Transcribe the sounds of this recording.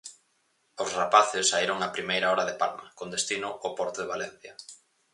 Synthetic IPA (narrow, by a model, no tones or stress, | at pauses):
osrapaθɪsːaiɾoŋapɾimejɾaɔɾaðepalmakond̪est̪inʊʔopɔɾt̪ʊðeβalɛn̟θja